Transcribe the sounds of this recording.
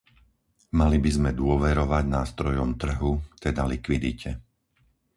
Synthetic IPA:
malibizmɛd̪ʊɔʋɛɾɔʋaɟnaːst̪ɾɔjɔmt̪r̩ɦut̪ɛd̪alikʋid̪icʰɛ

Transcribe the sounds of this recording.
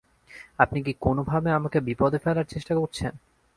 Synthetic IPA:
apnik̬ikonobʱabeamakebipɔd̪ʱefelaɾt͡ɕeʃʈakoɾt͡ɕʰen

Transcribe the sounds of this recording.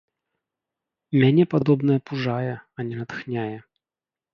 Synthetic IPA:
mʲanʲɛpad̪ɔbnɐjɐpuʐajɛɐnʲɛnɐt̪xnʲajɛ

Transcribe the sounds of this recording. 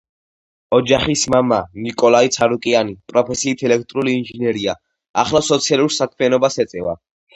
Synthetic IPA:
ɔd͡ʒaχismamanikʼɔlait̪sʰaɾukʼianipʼɾɔpʰɛsiːt̪ʰɛlɛkʰt̪ʼɾuliːnʒinɛɾia | a̰χlasɔt̪sʰialˠuɾsakʰmianɔbasɛt̪sʼɛva̰

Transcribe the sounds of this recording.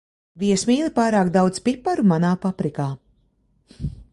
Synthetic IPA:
viɛsmiːlˠipaːɾaːkd̪awd̪zpipːaɾumanaːpapɾikaː

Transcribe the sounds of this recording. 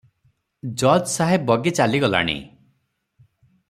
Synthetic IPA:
d͡ʒɔd͡ʒsaɦebɔɡet͡ʃaliɡɔla̰ɽ̃ḭ

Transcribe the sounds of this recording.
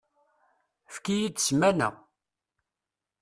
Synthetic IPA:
fkijid̥smænə̰ʁ

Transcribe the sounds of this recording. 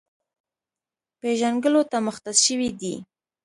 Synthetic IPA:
peʒanɡəlot̪aməxt̪aʃəwid̪i

